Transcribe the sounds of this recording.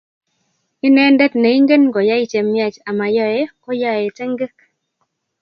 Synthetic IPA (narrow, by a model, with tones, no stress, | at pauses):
i˦nɛ˦ndɛ˦t̪ne˨i˦ŋɡe˦nɡɔ˨ja˦i˦t͡ʃe˨mja˦t͡ʃa˨ma˨jɔ˦e˦kɔ˦ja˦e˨te˦ŋɡe˦k